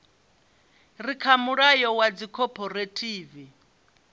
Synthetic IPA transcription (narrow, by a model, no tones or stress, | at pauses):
rikʰamuɺajɔwad͡zikʰɔpʰʼɔretʰʼiːvi